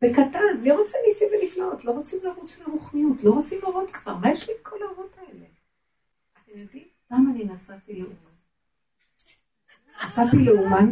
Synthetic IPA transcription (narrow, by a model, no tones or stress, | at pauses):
bekatanliʁot͡senisimveniflaotlo̞ʁot͡simlaʁut͡sleʁuχmijutlo̞ʁot͡simlaʁot̪kv̥aʁmajɛʃlibkʰolaoʁo̞tʰaele | atemjod̪im | lamaːninasatileuman | nasatileuman